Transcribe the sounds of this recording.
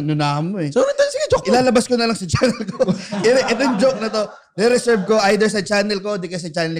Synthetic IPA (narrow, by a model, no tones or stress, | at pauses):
nʊnamoɛsoɾot̪asɪɡɛd͡ʒoʔɪlaːlɐbɐskonɐlɐŋsɐt͡ʃanɛlkoʔɛʔɛt̪̬ojʊŋd͡ʒok̚nɐt̪o̞ | ɾɛɾɛsɛɹb̚ko̞ʔajd̪ɛɹs̬ɐt͡ʃaːnɛlkod̪ikɐs̬ɐt͡ʃaːnl